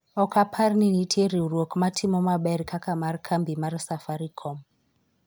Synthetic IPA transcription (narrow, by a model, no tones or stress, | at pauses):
ɔkapʰarninitʰeɾiurɔkmatʰimɔmaɓɛɾikʰakamarkʰambimaɾsafaɾikʰɔm